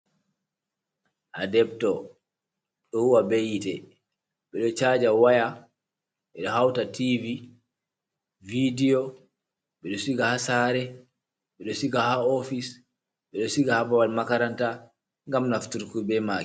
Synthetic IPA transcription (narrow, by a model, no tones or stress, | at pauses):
ʔadɛb̚tɔ | ɗɔhuwabejitɛ | ɓɛɗɔt͡ʃad͡ʒawaja | ɓɛɗɔhawtativi | vidiɔ | ɓɛɗɔsiɡahasaɾɛ | ɓɛɗɔsiɡahaɔfis | ɓɛɗɔsiɡahabawalmakaɾanta | ŋɡamnaftuɾkubɛmaːk